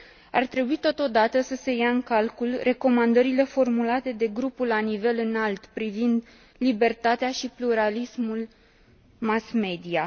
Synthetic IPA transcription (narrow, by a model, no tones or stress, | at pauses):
a̰rt̪ɾe̞buit̪o̞t̪o̞d̪at̪əsəse̞jaɨŋkalkulrʔe̞ko̞mand̪əɾile̞fo̞rmulat̪e̞d̪e̞ɡɾupulːanive̞lɨnalt̪pɾivind̪ | libe̞rt̪at̪eaʃipluɾalismul | masme̞d̪ia